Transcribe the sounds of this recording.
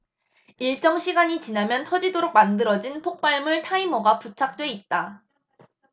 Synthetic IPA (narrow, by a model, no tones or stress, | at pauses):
iɭt͡ɕ͈ʌŋɕʰiɡaɲit͡ɕinamjʌntʰʌd͡ʑidoɾok̚mandɯɾʌd͡ʑinpʰok̚p͈aɭmɯɭtʰaimoɡaput͡ɕʰak̚t͈we̞it̚t͈a